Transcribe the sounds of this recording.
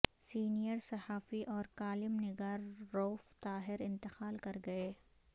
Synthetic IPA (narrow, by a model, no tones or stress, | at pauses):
siːnijəɾsɐhaːfiʔɔːɾkaːlɪmnɪɡaːɾːoːft̪aːɦɪɾɪ̃nt̪ɪqaːlkɐɾɡɐeː